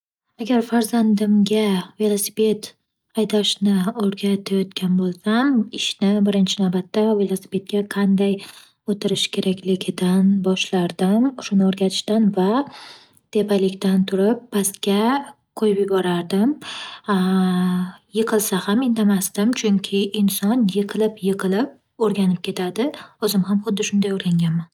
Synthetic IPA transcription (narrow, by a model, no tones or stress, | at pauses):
aɡʲaɾfaɾzand̪ɪmɡʲave̞lˠosipʰe̞t̪ | ajd̪aʃnɪoɾɡʲat̪ʰajɒt̪kʲʰanbolˠsamɪʃnɪbɪɾɪnt͡ʃʰɪnawbat̪ːave̞lˠosi̥pʰe̞t̪̚kʲaqʰɑnd̪aj | ot̪ʰɪɾɪʃkʲʰe̞ɾakʲʰlɪɡʲɪd̪anbɒʃlaɾd̪amʊʃʊnɪoɾɡʲat̪ʰɪ̥ʃt̪anva | t̪ʰe̞pʰalɪkʲt̪ant̪ʰʊɾɪp̚ʰːast̪kʲa | qʰojɪpjɪbɒɾaɾd̪ɪm | jɨqʰɨlˠsahamɪnd̪amast̪ɪmt͡ʃʰʊŋkʲʰɪʔɪnsɒnjɨqʰɨlˠɪpjɨqʰɨlɪp̚ | oɾɡʲanɪp̚kʲʰe̞t̪ʰad̪ɪʊzɪmhamχʊd̪ːɪʃʊnd̪ajoɾɡʲaŋɡʲanman